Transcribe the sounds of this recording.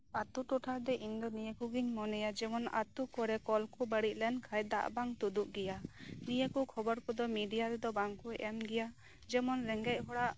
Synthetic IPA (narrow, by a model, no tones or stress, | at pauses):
at̪uʈɔʈʰaɾd̪ɛʔind̪ɔnijakuɡiɲmɔnɛjad͡ʒɛmɔna̰t̪ukɔɾɛkɔlkʰubəɽiʔ̚lɛnkʰajd̪a̰ʔbaŋt̪ud̪uʔɡɛjanijakukʰɔbɔɾkʰɔd̪ɔmiɖijaɾɛd̪ɔbaŋkʰuɛmɡɛja | d͡ʒɛmɔnɾɛŋɡɛʔ̚ɦɔɽaʔ